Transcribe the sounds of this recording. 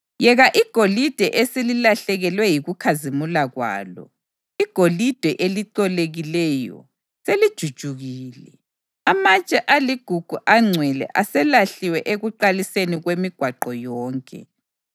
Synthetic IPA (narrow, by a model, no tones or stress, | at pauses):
jɛɣaʔiɡ̥ʱolid̥ʱɛʔesililaɬɛɣɛlwɛjiɣukʰazimulaɣwa̰ːlɔ̰ | iɡ̥ʱolid̥ʱɛʔeliǀɔleɣilɛjɔ̰ | selid̥ʒ̥ʱud̥ʒ̥ʱuɣiːlɛ | amat͡ʃʼɛʔaliɡ̥ʱuɡ̥ʱuʔaŋ͡ǀʱwɛlɛ̰ʔasɛlaɬiwɛʔeɣuǃaliseniɣwemiɡ̥ʱwaǃɔjɔːŋkʼɛ̰